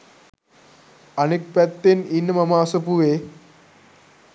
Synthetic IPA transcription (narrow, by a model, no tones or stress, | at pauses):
ɐnek̚pɛt̪ːeninːɐmɐmaːsɐpue